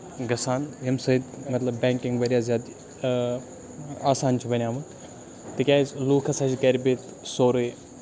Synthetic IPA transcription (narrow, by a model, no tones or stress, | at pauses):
ɡɐsaːnjɐmsɐid̪mɐt̪lɐbːɛ̃ːŋkɪ̃ŋɡʋɐːɾjaːzjaːd̪ | aːsaːnt͡ʃʰubɐnʲaːmɐ | t̪ekʲaːzluːkʰɐsãːt͡ʃikɐɾbet̪ | soːɾe